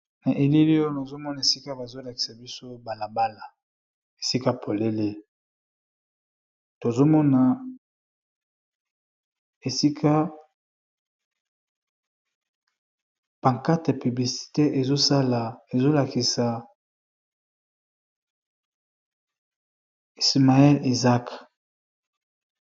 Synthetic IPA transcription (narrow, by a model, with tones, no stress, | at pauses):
na˨ʔe˨li˦li˦o˦na˨zo˦mɔ˦na˨e˨si˦ka˦ba˨zo˦la˨ki̥˨sa˨bi˦so˦ba˨la˨ba˦la˨ | e˨si˦ka˦pʰo˨le˦le˦ | to˨zo˦mɔ˦na˨ | e˨si˦kʰa˦ | pa˨ŋka˦te˨py˨bli˨si̥˨te˦ʔe˨zo˦sa˦la˨e˨zo˦la˨ki˨sa˨ | i˨sma˨ɛ˦li˨za˦k